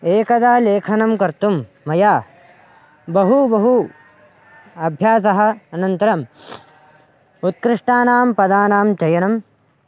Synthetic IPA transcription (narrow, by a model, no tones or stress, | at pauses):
eːkɐd̪aːleːkʰɐnɐmkɐɾt̪umː | ɐjaː | bɐɦubɐɦu | ɐbʱjaːs̬ɐɦɐ̆ɐnɐnt̪ɐɾɐm | ut̪̚kɾɪʂʈaːnaːmpɐd̪aːnaːmt͡ʃɐjɐnɐm